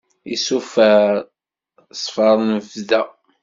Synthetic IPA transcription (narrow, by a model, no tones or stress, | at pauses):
ḭsufæ | sˤfɑɾˤnvdæ